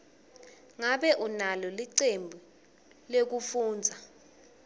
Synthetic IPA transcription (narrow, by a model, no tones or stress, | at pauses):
ŋaɓɛʔunalɔliǀembʱu | lek̬ufuːnd͡zʱa